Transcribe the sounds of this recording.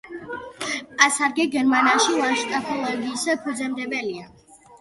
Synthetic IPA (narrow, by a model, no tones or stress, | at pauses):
asaɾɡɛɡɛɾmanaʃilaʃt̪ʼapʰɔlˠɔɡiːspʰud̪zɛmd̪ɛbɛlia